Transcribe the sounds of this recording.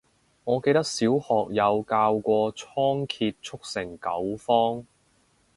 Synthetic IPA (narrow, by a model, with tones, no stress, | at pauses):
ŋɔː˨˧ke˧jt̪ɐ˥k̚siː˨˥whɔː˨k̚jɐ˨˧wkaː˧wkʷɔː˧t͡ʃʰɔː˥ŋkʰiː˧t̚t͡ʃʰʊ˥k̚sɪ˨˩ŋkɐ˨˥wfɔː˥ŋ